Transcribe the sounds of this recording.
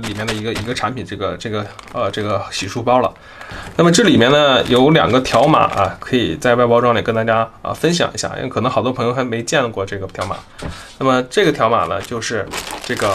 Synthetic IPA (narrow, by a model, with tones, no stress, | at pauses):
li˨˩mjɛ˥˩nd̪ə˩i˧˥ɡə˧˩i˧˥ɡə˧ʈ͡ʂʰa˧˥npʰi˨˩nʈ͡ʂɤ˥˩ɡə˩ʈ͡ʂɤ˥˩ɡə˩ə˧ʈ͡ʂɤ˥˩ɡə˩ɕi˨˩ʂu˥˩pɑ˥ʊlə̰˨ | na˥˩mə˩ʈ͡ʂɤ˥˩li˨˩mjɛ˥˩nnə˨˩jo˧˥ʊljɑ̰˨˩ŋɡə˦t̪ʰjɑ˧˥ʊma̰˨˩˦ʔɐ̰˧kʰɤ˧˥ḭ˨˩t͡sa˥˧ɪwa˥˧pɑ˥ʊʈ͡ʂwɑ˥ŋli˨˩kə˥nt̪a˥˩t͡ɕja˥ə̰˧˩fə˥nɕ̬jɑ̰˨˩ŋḭ˧˥ɕja̰˥˩ḭ˥˩kʰɤ˨˩nɤ˧˥ŋxɑ˨˩d̪wɔ˥pʰɤ˧˥ŋjo˧xa˧˥me˧˥˧t͡ɕjɛ˥˧nkwɔ˥˧ʈ͡ʂɤ˥˩ɡə˩t̪ʰjɑ˧˥ʊma̰˨˩˦na˥˩mə˩ʈ͡ʂɤ˥˩ɡə˩t̪ʰjɑ˧˥ʊma̰˨˩nə̰˦t͡ɕjo˥˧ʊʂɻ̩˥˧ʈ͡ʂɤ˥˩ɡə˩